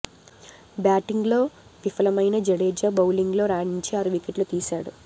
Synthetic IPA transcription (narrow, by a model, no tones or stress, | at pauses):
bjaːʈiŋɡlo̞ː | ʋifɐlɐmɐjnɐd͡ʒeɽeːd͡ʒɐːbɐwliŋɡlo̞ːɾaːɽiɲt͡ʃeɐɾuʋikeʈlut̪iːsaːɽu